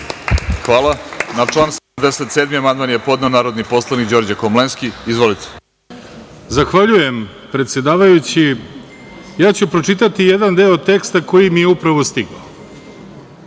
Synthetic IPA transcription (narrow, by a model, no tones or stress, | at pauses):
xʋaːlˠanat͡ʂlˠaːnsed̪amd̪eset̪seːd̪miamand̪manjepo̞d̪neonaːɾod̪nipo̞slˠanikd͡ʑo̞ɾd͡ʑakomlenskiizʋo̞lit̪ʰe̥ | zaxʋaʎuje̞m | pɾet̪sje̞d̪aːʋajut͡ɕi | jaːt͡ɕupɾo̞t͡ʂit̪at̪ije̞d̪and̪e̞ːot̪e̞kst̪ako̞jimijeupɾaʋo̞st̪iɡao